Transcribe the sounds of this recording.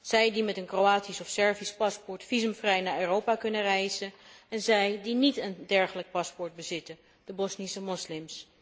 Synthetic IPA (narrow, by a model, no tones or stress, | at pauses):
z̥ɛjdimɛtənkrowaːtisɔfsɛɹvispɑspɔɹtfizəmfrɛjnaːɹøːrowpaːkɵnərɛjzənɛnzɛjdinitəndɛɹχələk̚pɑspɔɹd̚bəzɪtə | d̥əbɔsnisəmɔslɪms